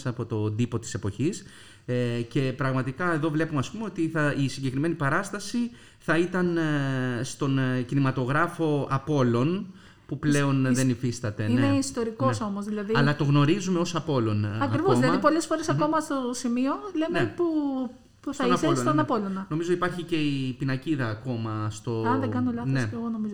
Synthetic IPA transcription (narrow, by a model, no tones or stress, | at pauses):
sɐpo̞t̪o̞d̪ipo̞t̪i̥se̞po̞çis | ece̞pɾɐɣmɐt̪ikɐe̞ðo̞vle̞pumeɐspumeo̞t̪iθɐisiɲɟekɾime̞nipɐɾɐst̪ɐsi | θɐit̪ɐn | st̪o̞ncinimɐt̪o̞ɣɾɐfo̞ɐpo̞lo̞n | puple̞o̞nðenifist̪ɐt̪e̞ineneist̪o̞ɾiko̞so̞mozðilɐðiɐlɐt̪o̞ɣno̞ɾizume̞o̞sɐpo̞lo̞nɐkɾivozðilɐðipolesfo̞ɾe̞sɐko̞mɐst̪osimio̞le̞mneepu | pusθɐinɐolosnt̪ɐnɐpo̞lonɐno̞mizoipɐɾçice̞ipinɐciðɐːko̞mɐst̪o̞ɐɐnðeɡɐnolɐnoesoɣono̞mizo